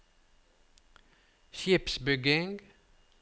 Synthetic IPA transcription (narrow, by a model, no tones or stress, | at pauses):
çɪpsbʏɡɪŋɡ